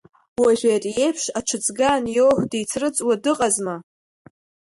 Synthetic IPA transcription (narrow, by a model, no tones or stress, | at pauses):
waʒʷᶣatʼje̞jpʰʂaʈ͡ʂʷʰɨt͡sʼɡanjowħʷdijt͡sʰrɨt͡sʼwadɨqʼazma